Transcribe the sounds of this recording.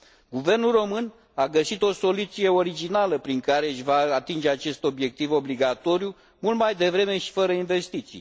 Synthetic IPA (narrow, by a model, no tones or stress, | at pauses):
ɡuve̞rnulro̞mɨn | aɡəsit̪o̞so̞lut̪sije̞o̞ɾid͡ʒinaləpɾiŋkaɾe̞ɨʃʲvaːt̪ind͡ʒe̞at͡ʃe̞st̪o̞bje̞k̚t̪ivo̞bliɡat̪o̞ɾiju | mult̪majd̪e̞vɾe̞me̞ʃi̥fəɾəinve̞st̪it̪sḭj